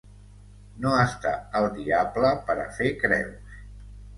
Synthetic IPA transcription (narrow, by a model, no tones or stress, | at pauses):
noəst̪a̰əlˠd̪iabləpəɾə̰fekɾɛ̰ws